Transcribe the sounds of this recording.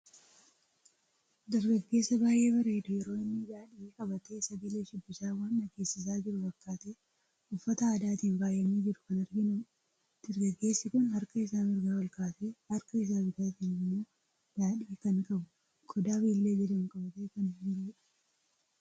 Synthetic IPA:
d̪ɐɾɡɐɡːe̞ːsːɐbaːjʔe̞ːbɐɾeːd̪ʊjɛɾo̞ːɪnːɪd̪aːᶑiːkʼɐbɐt̪e̞ːsɐɡɐle̞ːʃɪbːɪsaːwaːnːɐɡe̞ːsːɪs̬aːd͡ʒɪɾʊfɐkːaːt̪eː | ʊfːɐt̪ɐaːd̪aːt̪iːnbaːjːɐneːd͡ʒɪɾʊkɐnɐɾɡɪnʊ | d̪̥ɐɾɡɐɡːe̞ːsːɪkʊnhɐɾkɐɪsaːmɪɾɡaːwɐlkaːseːhɐɾkɐɪs̬aːmɪɡaːkenːɪmːoː | d̪̥aːᶑiːkɐnkʼɐbʊ | ɡʰɔd̪aːbiːlːe̞ːd͡ʒɛdɐnkʼɐbɐt̪eːkɐnd͡ʒɪɾʊd͡ʒɛᶑɐ̥

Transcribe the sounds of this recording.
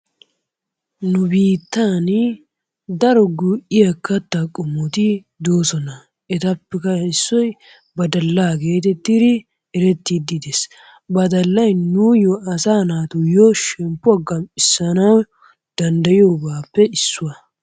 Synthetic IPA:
nʊbiːt̪ːan | d̪ɐɾɔɡuʔɪjɐkːɐt̪ːɐkʼʊmːɔt̪ɪ | d̪oːsɔnɐ | ɛt̪ɐpːɛkɐɪsːɔj | bɐd̪ɐlːaːɡe̞ːt̪ɛt̪ːɪd̪ɪ | ɛɾɛt̪ːid̪ɪd̪es | bɐd̪ɐlːɐjnujoɐsaːnaːt̪ʊjoʃɛmpːʊaɡɐmpʼːɪsːɐnɐw | d̪̥ɐnd̪ɐjɪoːbaːpːɛɪsːʊwɐ

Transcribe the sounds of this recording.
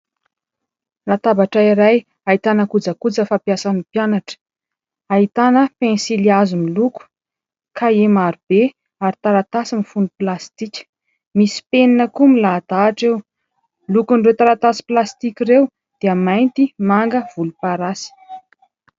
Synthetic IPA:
rat̪abaʈ͡ʂaiɾaj | ait̪anəkud͡zəkud͡zəfapjasanipjanaʈ͡ʂə̥ | ait̪anəpensiliazumiluku̥ | kʰaemaɾub̥e | aɾit̪aɾat̪asimifunuplast̪ikʲə̥ | misi̥peninəkumilad̪̥aːʈ͡ʂew | lukuɳɖ͡ʐewt̪aɾat̪asi̥plast̪ikʲirew | d̪̥eəmajnt̪imaŋɡəv̥ulupaɾasi̥

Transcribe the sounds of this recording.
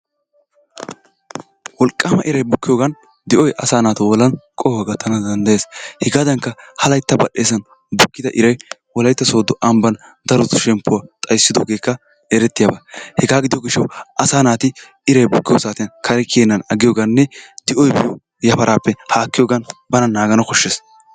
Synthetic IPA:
wɔlkʼːaːmɐʔɪɾɐjbʊkːɪjoːɡɐn | d̪ɪʔɔjʔɐ̰saːnaːt̪ɐwɔlɐnkʼɔhɔɡɐt̪ːɐnɐd̪ɐnd̪ɐjeːshɛɡaːd̪ɐŋkːɐhɐlɐjt̪ːɐbɐɗe̞ːsɐn | bʊkːɪd̪ɐʔɪɾɐjwɔlɐjt̪ːɐso̞ːd̪ʊʔɐmbɐnd̪ɐɾʊt̪ʊ̥ʃɛmpːʊwaːt̪ʼɐjsːɪd̪oːɡe̞ːkːɐ | ɛɾɛt̪ːɪjabɐhɛɡaːɡɪd̪ɪjoɡɪʃːɐwʔɐsaːnaːt̪ɪ | ɪɾɐjbʊkːɪjoːsaːt̪ɪnkʰɐɾɛkeːnːɐnɐɡɪjoːɡɐnːɛd̪̥ɪʔɔjbɪjo | jɐpɐɾaːpːɛhaːkːɪjoːɡɐnbɐnɐnaːɡɐnɐkɔʃːeːs

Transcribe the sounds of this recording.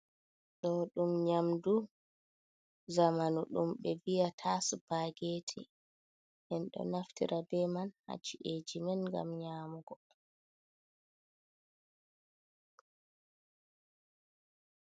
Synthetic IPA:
ɗɔɗumɲamdu | zamanuɗumɓɛvijatʰasupaɡeːtʰḭ | hɛnɗɔ̰naftḭɾʔabɛmanha̰t͡ʃːiʔed͡ʒimɛnɡa̰mɲaːmuɡɔ

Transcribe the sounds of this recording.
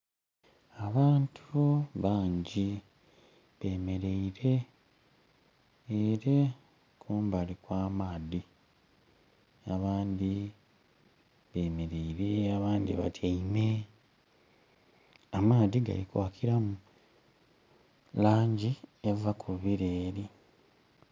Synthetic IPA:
aβaːntʰuβaːɲɟi | βe̞ːme̞ɾe̞iɾe̞ | ɾe | kʰuːmbalikwaːmaːði | aβaːnd̪i | βe̞ːme̞ɾe̞iɾeaβaːnd̪ḭβatʰaime | amaːdiɡa̰likwaːkʰiɾamu | laːɲɟievakʰuβiɾe̞ːɾi

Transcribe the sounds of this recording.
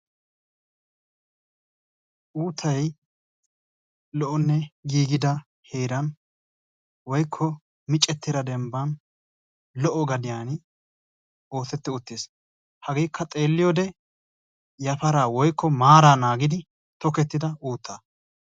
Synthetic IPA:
ʔuːt̪ʰːɐj | lɔʔɔnːɛɡiːɡɪd̪ɐ | heːɾɐn | wɔjkʰːɔ | mɪt͡ʃʼːɛt̪ːɪd̪ɐd̪ɛmbɐn | lɔʔɔɡɐd̪ɪjaːn | o̞ːt̪ɛt̪ːɪʊt̪ːeːs | hɐɡeːkʰːɐt̪ʼe̞ːlːɪjɔd̪ɛ | jɐfɐɾaːwɔjkʰːɔmaːɾaːnaːɡɪd̪ɪ | t̪ɔkɛt̪ːɪd̪ɐuːt̪ʰːaː

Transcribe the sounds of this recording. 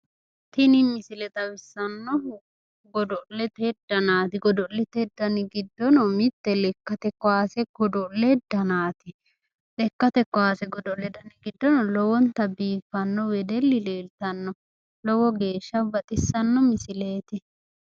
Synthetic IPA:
t̪ɪnɪmɪsɪlɛt̪ɐwɪsːɐnːɔ | ɡɔd̪ɔlːɛt̪ɛd̪ɐnaːt̪ɪɡɔd̪ɔlːɛt̪ɛd̪ɐnɪɡɪd̪ːɔnɔmɪt̪ːɛlɛkːɐt̪ɛkːɔwaːsɛɡ̥ɔd̪ɔlːɛd̪ɐnaːt̪ɪ | lɛkːɐt̪ɛkːɔwaːsɛɡɔd̪ɔlːɛd̪ɐnɪɡɪd̪ːɔnɔlɔwɔnt̪ɐbiːfːɐnːɔwɛd̪ɛlːɪleːlt̪ɐnːɔ | lɔwɔɡe̞ːʃːɐbɐt̪ʼɪsːɐnːɔmɪsɪleːt̪ɪ

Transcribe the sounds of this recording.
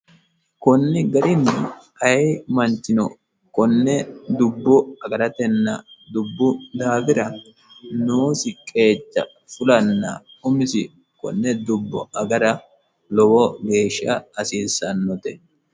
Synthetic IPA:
kɔnːɪɡɐɾɪnːɛ | ɐjmɐnt͡ʃːɪnɔ | kɔnːɛd̪ʊbːɔɐɡɐɾɐt̪ɛnːɐd̪ʊbːʊd̪aːfɪɾɐ | noːsɪkʼe̞ːt͡ʃːɐ̰ | fʊlɐnːɐ̰ | ʊmɪsɪ | kɔ̰nːɛd̪ʊbːɔ̰ɐɡɐɾɐ | lɔwɔɡe̞ːʃːɐːsiːsɐnːɔt̪ɛ

